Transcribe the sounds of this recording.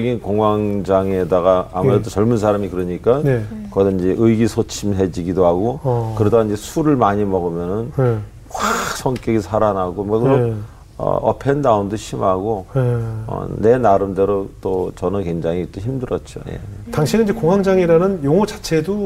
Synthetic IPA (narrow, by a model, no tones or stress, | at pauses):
ʌɡinkoŋwaŋd͡ʑaŋedaɣaamuɾedot͡ɕʌɭmunsʰaɾamikɯɾʌɲik͈aekʌdʌind͡ʑe̞ʔɯiɡisʰot͡ɕʰimɦe̞d͡ʑiɡidoɦaɡokɯɾedaind͡ʑe̞sʰuɾɯɭmaɲimʌɡɯmjʌnɯn | xwasʰʌŋk͈jʌɡisʰaɾanɦaɡomʌkɯɾo | ʌ̰ʌpʰendaumdoɕʰimaɡo | ʌ̰ne̞naɾɯmde̞ɾot͈ot͡ɕʌnɯnkwe̞ŋd͡ʑaŋit͈oçimdɯɾʌt̚t͡ɕ͈o̰jḛtaŋɕʰinɯnid͡ʑekoŋwaŋd͡ʑaŋiɾanɯnjoŋot͡ɕat͡ɕʰe̞do